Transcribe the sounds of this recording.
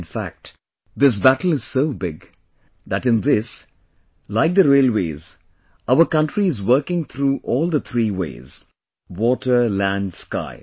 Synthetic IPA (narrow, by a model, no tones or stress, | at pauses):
nfæ̰k̚t | d̪ɪs̬bætl̩ˠɨz̥soʊbɪɡ | ðætɨ̃nðɪs | laɪk̚d̪əɾeɪlweɪz | aʊəkʌ̃ntɹiɨzwɜ˞kɪ̃ŋt̪ʰɾuːʔɔːlˠd̪ət̪ʰɾiːwḛɪz̥ | wɔːʈʰə˞læ̃ndska̰ɪ